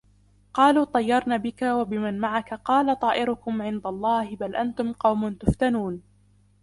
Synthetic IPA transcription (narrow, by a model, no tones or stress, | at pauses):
qɑːluːt̪ˤɑjːɑɾˤnaːbɪkawabɪmanmaʕakaqɑːlat̪ˤɑːʔɪɾʊkʊmʕɪnd̪alˤːɑːhɪbalʔant̪ʊmqɑwmʊnt̪ʊft̪anuːn